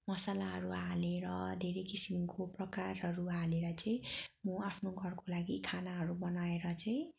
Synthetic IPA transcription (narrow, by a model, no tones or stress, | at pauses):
mʌsalaɦʌɾualeɾʌd̪ʱeɾʌjkisimkoprʌkarɦʌɾualeɾʌt͡saĩmuapʰnoɡʱʌrkolaɡikʰanaɦʌɾubʌnaeɾʌt͡saĩ